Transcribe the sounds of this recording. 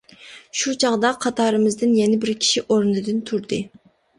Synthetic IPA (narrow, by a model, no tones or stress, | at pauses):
ʃut͡ʃʰɑʁd̪ɑqʰɑt̪ʰɑːɾɨmɨzd̪ɪnjɛnɪbɪɾkʲʰi̥ʃiʔoɾnɨd̪ɨnt̪ʰuɾd̪ɨ